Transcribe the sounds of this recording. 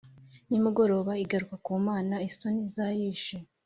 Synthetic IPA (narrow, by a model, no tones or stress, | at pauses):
nimuɡo̞ɾo̞ːβaiɡaɾukakuːmaːnaiso̞nizajiːʃe